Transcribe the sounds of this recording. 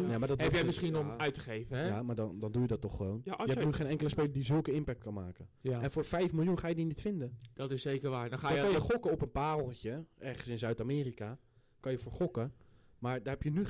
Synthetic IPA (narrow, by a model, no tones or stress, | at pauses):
namaːdɔtɛpjɛmɪsχinɔmœɥtəχejvəjamaːɹdndɔndujədɔtːɔχːəʋownjəɛnyχeːnɛŋkələspejlədizɵlˠkəɪmpɛk̚t̚kɑnmaːkəɛnfoːɹfɛjfmɪlˠjunχaːjədinitfɪndəd̥ɔtɪsejkərʋaːɹdadɔnkɑnjəχɔkəɔpənpaːrlˠtjəʔɛrχənsɪnzœɥtaːmɪːrika | kɑnjəfoːɹχɔkə | maːɹdɔrɛpjəny